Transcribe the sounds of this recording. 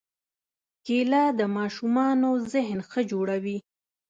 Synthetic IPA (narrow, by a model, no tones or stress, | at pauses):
kelad̪əmɑʃumɑnozɪɦnxəd͡ʒoɽawi